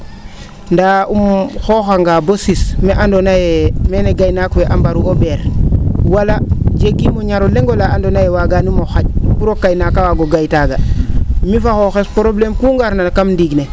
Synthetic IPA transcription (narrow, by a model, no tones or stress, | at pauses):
ndaʔumxoxaŋɡabosismeʔandonajemeneɡajnakweʔambaɾuʔobeɾwalaɟekːimoɲaɾoleŋɡolaandonajewaɡanimoxaɟ̚kuɾokːajnakawaɡoɡajtaɡamifaxoxespɾoblemkuːŋɡaɾnakamndiɡne